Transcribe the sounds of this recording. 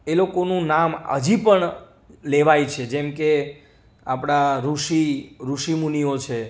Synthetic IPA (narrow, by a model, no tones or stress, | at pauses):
elokonũnamə̰d͡ʒipəɳ | leʋajt͡ʃʰed͡ʒɛmke | apɽ̃aɾuʃiɾuʃimuniot͡ʃʰe